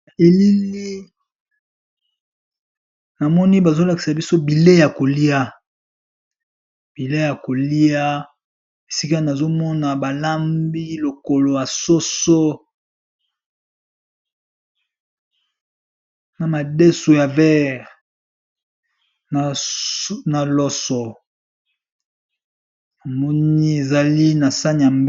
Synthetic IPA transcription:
e˨li˦li˦ | na˨mɔ˦ni˦ba˨zo˦la˨ki̥˨sa˨bi˦so˦bi˨le˦ja˨ko˨li˦a˦ | b̥i˨le˦ja˨ko˨li˦a˦ | e˨si˦ka˦na˨zo˦mɔ˦na˨ba˨la˦mbi˦lo˨ko˨lo˨ja˨so˦so˦ | na˨ma˨dɛ˦so˨ja˨vɛ˦ʁ | n˨ | na˨lɔ˦sɔ˨ | na˨mɔ˦nni˦e˨za˨li˦na˨sa˦n˨a˨m

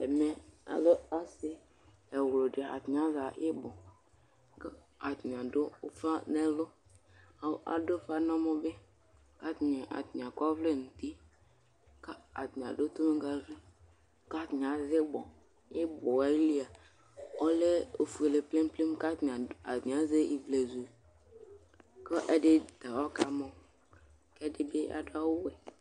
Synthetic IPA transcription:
ɛ˨me˦a̰˨lo˦a˦sɪ˦ | ɛ˨wlo˨de˨a̰˨t̪ɲ˨a˦za˨ʔɪ˦bɔ˨˦ | a˨t̪ɲ˨ã˨do˦fa˦nɛ˦lʊ˦ | a˨ʔa̰˨do˦fa˦nɔ˦mɔ˦be˦ | ka˦t̪ɲe˨ʔa̰˨t̪ɲ˨a˨ka˦vle˦˨n̩˨t̪i˦ | ka˦a˨t̪ɲ˨a̰˨ɖo˦t̪o˦me˦ɡa˦vi˦ | ka˦tɲ˨a˨ze˦bɔ˨ | je˦bɔ˨a˨˦i˦li˦a˨ | ɔ˦le˦o˨fu˨e˨le˨ple˦m˦ple˦m˦ka˦tɲ˨a˨a˨tĩ˨a˦ze˦i˨vle˨zu˨ | kɔ˦ʔe˦ɖe˦t̪a˨wɔ˦ka˨mɔ̃˦ | kɛ˦de˦be˦a̰˨do˦a˦wo˦wɛ˨

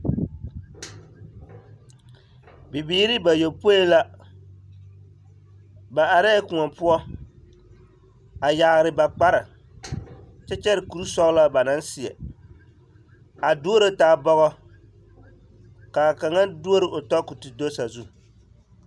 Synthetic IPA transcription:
bi˨biː˨˦ɾi˦ba˨jo˨po˦i˦la˦ | ba˨ʔa˨ɾa˦kʊ˨ŋɔ˨pu˦ɔ˦ | a˨ja˨ɣɾɪ˨ba˨k͡pa˦ɾa˨ | t͡ʃɛ˦t͡ʃɛ˦ɾɪ˨ku˨ɾu˦sɔ˦ɣla˦ba˨na˦n˦si˨ɛ̰˨ | a˨du˦o˦ɾo˦taː˨˦˨bɔ˦ɣɔ˦ | ka˨ka˨ŋa˦ndu˦o˦ɾɨ˨ʔo˨tɔ˦ku˨ti˨do˦sa˨zu˦

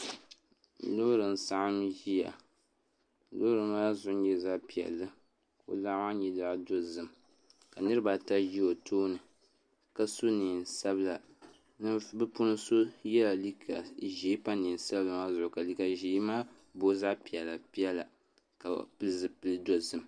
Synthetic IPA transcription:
lʊ˦ɾɨ˨n˨sa˦ʔa˦mʒi˦ja̰˨ | lʊ˦ɾɨ˨maː˦zʊ˨ʔʊ˦ɲɛ˦za˦ʔpi˨ɛ̰˨lːɨ˦ | ko̰˨la˦ʔma˦ɲɛ˨da˨ʔdo˦zɨ˨m | ka˨nɨ˦ɾɨ˦ba˨ta˦ʒi˦o˨tʰoː˦nɨ˨ | ka˦so˦ni˨nsa˦bɨ˦la˨ | nɨ˦bɨ˦pu˦nɨ˦so˦jɛ˦la˨li˦kʰa˨ʒeː˨˦pa˦ni˨n˨sa˦blɨ˨ma˦zʊ˨ʔʊ˨ka˨li˦ka˨ʒi˨˦maː˦ | bo˦za˦ʔpi˨ɛ˨lːa˨pi˦ɛ˦la˨ | ka̰˨pɨ˦lɨ˨zɨ˦pɨ˦lɨ˦do˦zɨ˦˨m

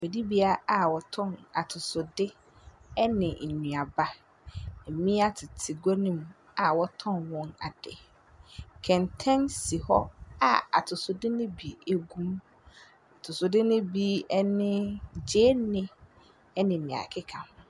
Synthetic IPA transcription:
be˨di˦bi˦a˨a˨wɔ˨tʰɔ̃˦˨na˨tʰʊ˨sʊ˨dɪ˦ | ɛ˦nɪ̃˨ɲũ˨a˨ba˦˨ | mĩ˦a˦tʰɪ˨tʰɪ˨ɡɔ˦nĩ˦m | a˨wɔ˦tʰɔ̃˦nwɔ̃˦na̰˨dɛ̰˨ | kʰɛ̃˨n˨tʰɛ̃˦nsi˨hɔ˦a˨a̰˨tʰʊ˨sʊ˨dɪ˦nʊ̃˦bi˨e˨ɡũ˦m | a˨tʰʊ˨sʊ˨dɪ˦nʊ̃˦bi˦ɛ˦nɪ̃˦d͡ʑeː˦nɪ̃˦ | ɛ˦nɪ̃˨nɪ̃˨a̰˨kʰɪ˦kʰã˨m˨

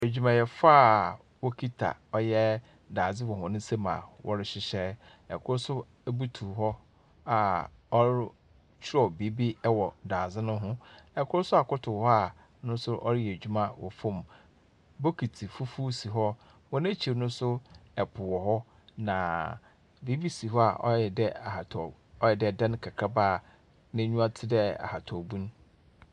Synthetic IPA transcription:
æ˨d͡ʑᶣu˦mã˨jɛ˨faː˦˨ | wɔ˦kʰi˦tʰa̰˨ɔ˦jɛ˦ | daː˨zɪ˦wɔ˨hʊ̃˨nʊ̃˦se˦mã̰˨wʔɔ̰˦ɾɪ˦ɕɪ˦ɕɛ˦ | ɛ̰˨kʰʊ˦ɾʊ˦sʊ˦ | bu˦tʰu˨ɦɔ˦ | a˨ɔ˦ɾ | t͡ɕʰᶣɪ˦ɾɔ˨bi˨˦bi˦ɛ˦wɔ˨daː˨d͡zɪ˦nʊ̃˦ɦʊ̃˦ɛ˨kʰʊ˦ɾʊ˦sʊ˦a˨kʊ˦tʰʊ˨hɔ˦a˦˨ | nʊ̃˦n˦sʊ˦ʔɔ̰˦ɾɪ˦jɛ˨d͡ʑᶣu˦mã˦wɔ̰˨fõ˦˨m | bo˦kʰi˨tʰi˨fu˦fu˦si˨ɦɔ˦ | wɔ̃˨nɛ̃˦t͡ɕʰi˨ɾnʊ̃˦sʊ˦ɛ˨pʰʊ˨wɔ˨hɔ˦ | nã˨ | be˦bi˦si˨ɦɔ˦a̰˨ʔɔ̰˦ɛ˨dɛ˦a˨ha˨tʰ | ɔ˦jɛ˨dɛ˦˨dã˦n˦kʰa˨kʰɾa˦baː˦˨ | nɪ̃˦ɲũ˦a˦tʰɪ˦dɛ˦a̰˨ha˨tʰɔ˨bũ˦n˦

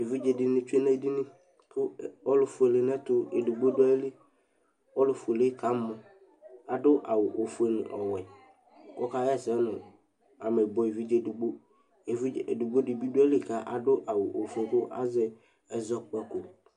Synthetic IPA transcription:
e˨vi˦d͡ʒe˨dɪ˨nɪ̃˦t͡ʃu˦e˦nɛ˦˨˦di˦nɪ̃˦ | pʰʊ˦˨ɔ˦lʊ˨fu˨e˨le˨nɛ˦tʊ˦e˨du˨ɡ͡bo˦dʊ˦a˦li˦ | wɔ˦lʊ˨fu˨e˨le˦ka˨mʊ˨ | a˨dʊ˦ʔa˨wʊ˨ʔo˨fe˨nʊ̰˨ʔɔ̰˨wɛ˨ | kɔ˦ka˦jɛ˦˨sɛ˦nʊ̃˨ | a˨mɛ˨bɔ˨i˨vi˦d͡ʒe˦du˨ɡ͡bo˦ | e˨vi˦˨e˨du˨ɡ͡bo˦dɪ˨bi˦dʊ˦a˦li˦˨ka˦ʔa˨dʊ˦ʔa˨wʊ˨ʔo˨fe˨kʊ˦ʔa̰˦zɛ˦ | ɛ˨zɔ˦k͡pɛ˦ko˨

